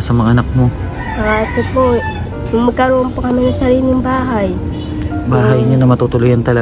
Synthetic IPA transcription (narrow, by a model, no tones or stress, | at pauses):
sɐmɐŋaʔɐnak̚mo̞ | ʔasopo | jʊŋmɐɡ̚kɐɾoːʔonpɐkɐmɪnɐŋsɐɾiːlɪŋbaːɦaj | baːɦɐjɲanɐmɐt̪ut̪ʊlʊjɐnt̪ɐlɐ